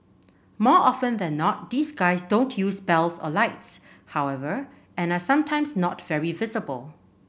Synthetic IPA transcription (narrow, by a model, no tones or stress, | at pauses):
mɔɔfə̃ndɛ̃nːɔt̚d̪iːsɡaɪsdõntʰjusbɛlsɔ̰laɪts | hawɛvə | ɛ̃nasãmtʰãɪ̃msnɔtvɛɹivɪzəbə̰lˠ